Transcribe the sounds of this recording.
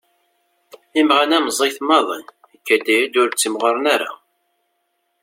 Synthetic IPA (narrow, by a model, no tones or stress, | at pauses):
imʁænæmzˤiθmɑðˤə̰n | əkːæd̪æjæd̪ʊɾt͡sːəmʁəɾˤnaɾa̰